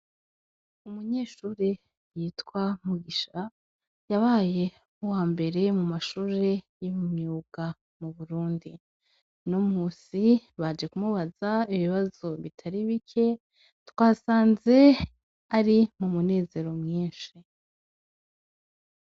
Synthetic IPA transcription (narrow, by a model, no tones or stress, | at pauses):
umuɲe̞ːʃuːɾe | jiːtkwamuɡiʃa | jaβaːje̞ | uwaːmbe̞ɾe̞mumaʃuːɾe̞ | jimmɲuːɡ̥a | muβuɾuːndi | nomuːsiβad͡ʒe̞kumuβazaiβiβazo̞βitʰaɾiβikʰe̞ | twaːsaːnze̞ | aɾimumune̞ːze̞ɾo̞mŋiːnʃi